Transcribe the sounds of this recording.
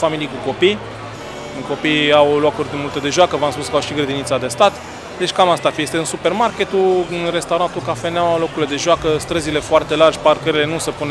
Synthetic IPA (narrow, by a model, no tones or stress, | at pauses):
familijkuko̞pij | ɨŋko̞pijawloakurʲd̪mult̪e̞d̪e̞ʒoakəvamspuskawʃiɡɾed̪init̪sad̪e̞st̪at̪ | d̪e̞t͡ʃkamast̪afijest̪eɨnsupe̞rmarkʲe̞t̪uɨnre̞st̪awɾant̪ukafenawawlo̞kuɾled̪e̞ʒoakəst̪ɾəzile̞foart̪e̞lard͡ʒʲparkəɾile̞nusepune